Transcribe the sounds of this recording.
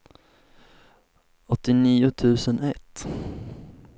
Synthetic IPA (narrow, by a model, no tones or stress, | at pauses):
ɔt̪ːɪniːʊt̪ʰʉ̟ːsənɛt̪ː